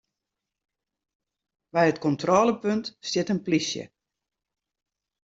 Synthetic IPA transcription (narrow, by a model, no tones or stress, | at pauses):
bɛjətkɔntrɔːləpøntstjɪtənplisjə̰